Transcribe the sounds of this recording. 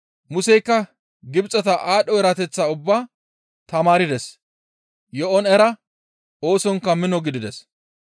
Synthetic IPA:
mʊsɛjkːɐ | ɡɪbt͡sʼːɐt̪ɐʔaːɗɔɛɾat̪ɛt͡sːaːʊbːaː | t̪ɐmaːɾɪd̪ɛs | jɔʔɔnɛɾɐ | o̞ːsɔŋkːɐmɪnɔɡɪd̪ɪd̪ɛs

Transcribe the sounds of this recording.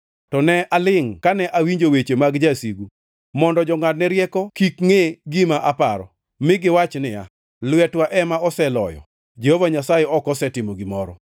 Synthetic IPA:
tɔnɛʔalɪŋkanɛʔawiɲd͡ʒowet͡ʃemaɡd͡ʒasiɡu | mɔndɔd͡ʒɔŋadnɛɾjɛkɔkikŋeɡɪmaʔapaɾɔ̰ | mɪɡɪwat͡ʃnɪja̰ | lwɛtwaʔɛmaɔsɛlɔ̰jɔ̰ | d͡ʒehovaɲasajɛɔkɔsɛtɪmoɡimɔɾɔ

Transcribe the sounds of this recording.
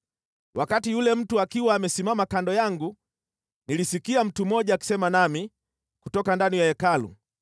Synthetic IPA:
wʔakatijulɛm̩tuakiwaːmɛsimamakandɔjaŋɡu | nilisikiam̩tumɔʄaːki̥sɛmanami | kutɔkandanijaɛkalṵ

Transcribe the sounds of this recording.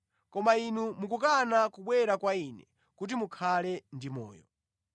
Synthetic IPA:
kɔmainumukukanakuɓwɛɾakwainɛ̰ | kut̬imukʰalɛndimɔ̰ːjɔ

